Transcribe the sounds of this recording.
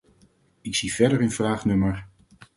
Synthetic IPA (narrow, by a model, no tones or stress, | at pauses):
ɪksiv̥ɛdəɹənvraːχnɵməɹ